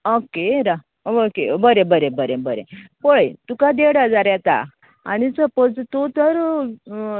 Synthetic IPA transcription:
okeɾa | ookebəɾẽbəɾẽbəɾẽbəɾḛpoɭəjt̪ukad̪eɽad͡zaɾjat̪a̰ | a̰ñit͡səpəd͡zt̪ot̪əɾ

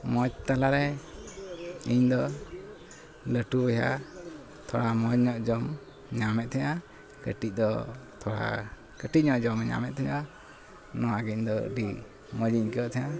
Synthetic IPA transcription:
mɔd͡ʒt̪alaɾɛ | iɲd̪ɔ | ləʈuɔja̰ | t̪ʰɔ̰ɽamɔɲɔʔd͡ʒɔm | ɲamɛt̪̚t̪ʰɲa | kəʈic̚d̪ɔt̪ʰɔɽa̰ | kəʈic̚ɲɔʔd͡ʒɔmɲa̰mɛʔ̪̚t̪ʰɛɲa | nɔwaɡɛɲd̪ɔ̰ɖi | mɔd͡ʒiɲkɛɔʔt̪ʰɛja

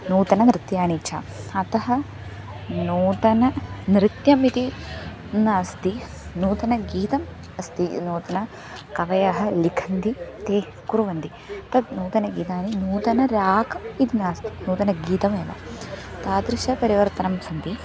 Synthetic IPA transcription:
nuːt̪ɐnɐnɾɪt̪jaːnit͡ʃʰa̰ː | ɐt̪ɐɦɐ | nuːt̪ɐnɐnɾɪt̪jɐmit̪i | naːst̪i | nuːt̪ɐnɐɡiːt̪ɐm | ɐst̪inoːt̪ɐnɐ | kɐʋɐjaːɦɐ̆likʰɐnd̪it̪eː | kuɾuʋɐnd̪i | t̪ɐd̪nuːt̪ɐnɐɡiːt̪aːninuːt̪ɐnɐɾaːkɐmit̪inaːst̪i̥nuːt̪ɐnɐɡiːt̪ɐmeːʋɐ̰t̪aːd̪ɾɪʃɐpɐɾiʋɐɾt̪ɐnɐmsɐnt̪i

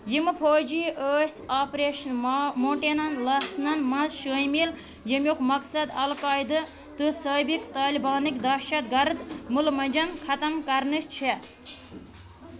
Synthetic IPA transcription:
jimɨpʰoːd͡ʒiəːsʲaːpɾeːʃɐnmoːɳʈeːnɐnlɐsnɐnmɐ̃zʃəjmil | jimʲjokmɐksɐd̪ɐlkaːjd̪ɨ | t̪ɨsaːbikt̪aːlibaːnikd̪ɐːʃɐd̪̚ɡɐɾd̪mulmɐnʲd͡ʒɐnkʰɐt̪ɐmkɐɾnɨt͡ʃt͡ʃʰe

